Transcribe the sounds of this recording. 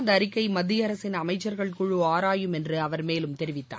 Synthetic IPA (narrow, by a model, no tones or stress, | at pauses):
nd̪ɐːɾɪkːɐɪmɐd̪ːɪjɐɾɐsɪnɐmɐɪt͡ʃːɐɾɣɐɭkʊɻuːaːɾaːjɯmɛndrɯɐʋɐɾmeːlɯmt̪ɛɾɪʋɪt̪ːa̰ː